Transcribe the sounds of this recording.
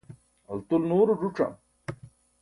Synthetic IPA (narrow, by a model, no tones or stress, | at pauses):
ɐlt̪ulnoːɾud͡ʑuʈ͡ʂɐ̰m